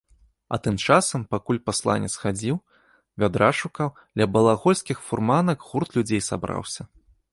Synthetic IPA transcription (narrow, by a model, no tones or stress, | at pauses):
ɐ̰t̪ɨmt͡ʂasɐmpakulʲpaslˠa̰nʲɛ̰sxad͡zʲiw | vʲad̪ɾaʂukawd̪lʲɐbɐlˠaɣɔlʲsʲkʲixfurmanɐkɣurt̪lʲud͡zʲejsa̰bɾa̰wsʲɐ